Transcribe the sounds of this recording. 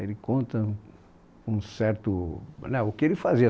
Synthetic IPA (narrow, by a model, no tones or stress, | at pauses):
elɪkõnt̪ɐ | ũsɛɾt̪ʊnɛʊkɪelɪfaziɐ